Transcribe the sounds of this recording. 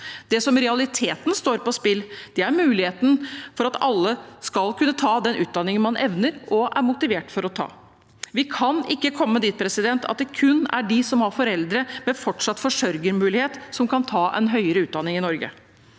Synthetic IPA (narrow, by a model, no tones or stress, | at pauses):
d̪̥ɛsɔmɾɛɑlɪt̪ʰeːt̪n̩st̪oːɾpɔspɪld̪̥ɛæɾmʉːlɪheːt̪n̩fɔɾɑt̪ɑlːəskɑlkʰʉnːət̪ʰɑːd̪ɛnʔʉ̰ːt̪̚d̪ɑnːɪŋənmɑnʔɛ̰ʋnəɾʔɔʔæɾmʊt̪ɪʋeːʈfɔɾɔt̪ʰɑ̰ː | ʋɪkʰɑnɪkːəkʰɔmːəd̪iːt̪̚pʰɾɛsɪd̪ɛnt̪ʰɑ̰t̪̚d̪ɛkʰʉnːæ̰ɖɪsɔmhɑɾfɔɾɛld̪ɾəmɛfɔʈʂɑt̪ːfɔʂœɾɡəɾmʉːlɪheːt̪sɔmkʰɑnt̪ʰɑːʔɛ̰nɦœʏəɾəʉːt̪̚d̪ɑnːɪŋɪnɔɾɡə̰